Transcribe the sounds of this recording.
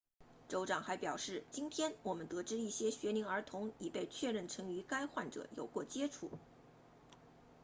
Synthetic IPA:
ʈ͡ʂo˧˥ʊʈ͡ʂɑ˨˩ŋxa˧˥ɪpjɑ˨˩ʊʂɻ̩˥˩t͡ɕi˥nt̪ʰjɛ˥nwɔ˨˩mə˦nt̪ɤ˧˥ʈ͡ʂɻ̩˥i˥˩ɕjɛ˥ɕɥɛ˧˥li˧˥ŋə˞˧˥t̪ʰʊ˧˥ŋi˨˩pe˥˧ɪt͡ɕʰɥɛ˥˧ɻə˥˩nʈ͡ʂʰɤ˧˥ŋy˧˥ka˥ɪxwa˥˩nʈ͡ʂɤ̰˨˩˦jo̰˨˩ʊkwɔ˥˩t͡ɕjɛ˥ʈ͡ʂʰṵ˥˩˦

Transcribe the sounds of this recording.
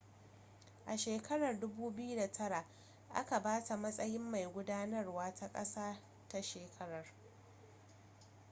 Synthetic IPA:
ʔa˨ʃeː˨kʰɐ˦ɽɐ˨rdʊ˦buː˦bɪ˦ju˦da˨tʰɐ˦ɽa˨ʔ | ʔa̰˦ka˨baː˦ta˨mɐ˦sʼɐ˦jɪ˦mːa˨jɡʷʊ˦daː˦nɐ˦rwaː˦tʰa˦kʼɐ̰˦saː˦ | ta˦ʃeː˨kʰɐ˦ɽɐ˨r

